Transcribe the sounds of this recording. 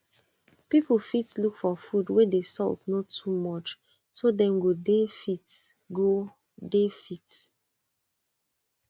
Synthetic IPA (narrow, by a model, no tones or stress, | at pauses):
pipəl̩ˠfitlukfɔfudwedesɔltsnotʰumɔt͡ʃ | sodɛ̃mɡodefit | ɡo | defit